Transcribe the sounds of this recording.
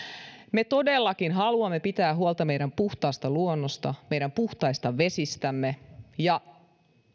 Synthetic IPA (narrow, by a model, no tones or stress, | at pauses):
me̞t̪o̞delːɑkinɦɑluɑmːe̞pit̪æːɦuolt̪ɑme̞jɾæmpuht̪ɑˑːst̪ɑluonːost̪ɑme̞jɾæmpuht̪ɑjst̪ɑʋe̞sist̪æmːe̞jɑ